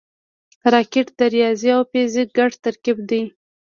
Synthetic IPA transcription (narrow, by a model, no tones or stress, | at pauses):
ɾɑkɪʈd̪̥aɾjɑziawpeziɡaɖt̪aɾkib̚d̪ij